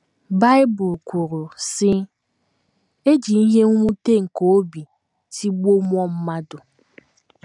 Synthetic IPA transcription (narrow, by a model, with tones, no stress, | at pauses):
ba˦ɪ˦bʊ˨lkʷu˨ɾu˨sɪ˦ | e˦d͡ʒi˨n̩˦ɦe˦ŋ̩˦ŋʷu˦te˦ŋ̩˨ko˨o˦bi˨ | ti˦ɡ͡bo˦mʷ˦ɔ˦m̩˦ma˦dʊ˨